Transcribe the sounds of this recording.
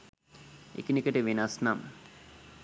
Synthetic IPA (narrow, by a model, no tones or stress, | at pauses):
ḛkinikəʈəʋinasnam